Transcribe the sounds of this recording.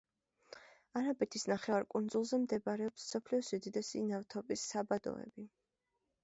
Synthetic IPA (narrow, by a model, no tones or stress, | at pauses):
aɾabɛt̪ʰisnaχɛvaɾkʼund̪zulˠzɛmd̪ɛbaɾɛɔpssɔpʰliɔsid̪id̪ɛsinavt̪ʰɔpʼisːabad̪ɔ̰ɛ̰bi